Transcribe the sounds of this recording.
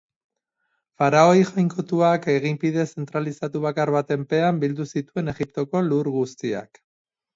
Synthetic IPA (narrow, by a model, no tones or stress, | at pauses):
faɾao̞jʝojŋko̞t̪uake̞ɣ̞impið̞e̞se̞nt̪ɾalisat̪uβ̞akaɾβat̪e̞mpe̞ambild̪usit̪ue̞ne̞ɣip̚t̪o̞ko̞luɾɣust̪ia̰k